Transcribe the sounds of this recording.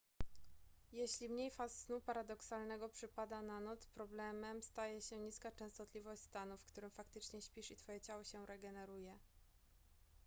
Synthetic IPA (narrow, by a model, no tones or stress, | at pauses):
jeɕlʲimɲejfassnupaɾad̪ɔksalnɛɡɔpʂɘpad̪ananɔt̪spɾɔblɛmɛmst̪ajɛɕɛɲiskat͡ʂɛ̃w̃st̪ɔt̪lʲivɔɕʲst̪anufkt̪uɾɘmfakt̪ɘt͡ʂɲɛɕpʲiʂit̪fɔjɛt͡ɕawɔɕɛɾɛɡɛnɛɾujɛ